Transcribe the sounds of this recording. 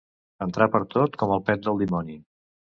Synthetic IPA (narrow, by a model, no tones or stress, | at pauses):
ənt̪ɾapəɾt̪ot̪kɔməlˠpɛt̪̚d̪əlˠd̪imɔni